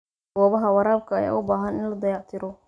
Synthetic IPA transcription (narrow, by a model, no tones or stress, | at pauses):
ɡ̥ɔːβɐɦɐwɑɾaːb̚kʰɐːja̰ːʔʊbaːɦɐnɪnlɐd̪ɐjɑʕt̪ʰɪɾɔ